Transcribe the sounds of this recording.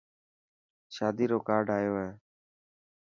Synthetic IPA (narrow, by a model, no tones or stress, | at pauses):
ʃaːd̪iːɾoːkaːɖʱaːjoːɦeː